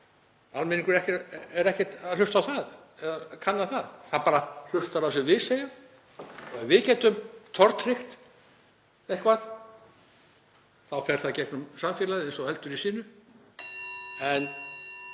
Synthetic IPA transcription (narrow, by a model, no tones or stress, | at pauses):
almɪniŋkʏɾɛhcɛɾɛhcɛt̪alʏst̪awθað | ɛðakʰanːaθaðθaðpaːɾal̥ʏst̪aɾasɛmvɪðseːjʏm | ɔɣɛvɪðcɛːt̪ʏmt̪ʰɔɾt̪r̥ɪxt̪ | ɛhkvað | θawfɛɾ̥θaðcɛknʏmsamfjɛːlaðɪensɔhɛlt̪ʏɾisiːnʏ | ɛn